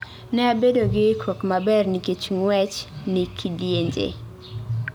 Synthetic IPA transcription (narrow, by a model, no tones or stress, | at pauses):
nɛabedoɡɪkʰokmabɛrniket͡ʃŋwɛt͡ʃnikʰidjeɲd͡ʒḛ